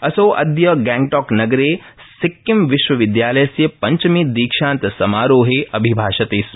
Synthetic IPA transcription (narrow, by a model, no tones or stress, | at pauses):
ɐsoːʔɐ̰d̪jɐɡɛ̃ŋɡʈɔːknɐɡɾeːsɪkːɪmʋɪʃʋɐʋɪd̪jaːlɐjɐsjɐpɐɲt͡ʃmid̪iːkʃãːnt̪sɐmaːɾoːɦeʔɐbʱibʱaːʃɐt̪eːs